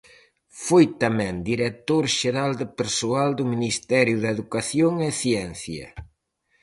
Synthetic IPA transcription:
fojt̪amɛ̃nd̪iɾet̪oɾʃeɾald̪ɪpeɾsoald̪ʊminist̪ɛɾjʊðɐeðukaθjoŋɛθjɛnθjɐ̰

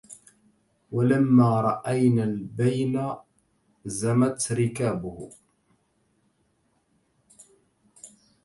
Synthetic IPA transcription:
walamːaːɾˤɑʔajnaːlbajna | zamat̪ɾɪkaːbʊh

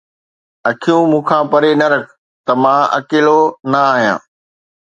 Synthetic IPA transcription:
ɐkʰijũmũːkʰãːpɐɾenɐɾɐkʰ | t̪ɐmãːɐ̰keːlonɐaːɦijã̰ː

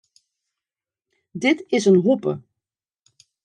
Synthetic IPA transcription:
dɪtɪsənɦɔpə̰

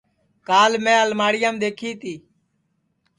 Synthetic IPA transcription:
kaːlmẽːəlmaːɽɪjaːmd̪eːkʰiːt̪iː

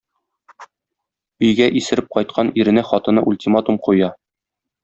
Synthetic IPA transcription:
ɵ̆jɡæʔisɘ̆ɾɘp̚qɒjt̪qʰɑniɾɘ̆næχɒt̪ɤ̆nɤʔulʲtʲimat̪umqujɑ

